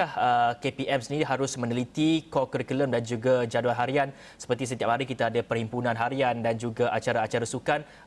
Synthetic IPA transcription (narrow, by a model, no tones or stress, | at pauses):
ahəkepiʔɛmsəniiɦaɾʊsmə̃nəlit̪ikɔkəɾikuləmdand͡ʒuɡad͡ʒaduanɦaɾian | sə̥pərt̪isət̪iap̚haɾikit̪aːdapərhimpunãnɦaɾiandand͡ʒuɡaʔat͡ʃaɾaːt͡ʃaɾasukan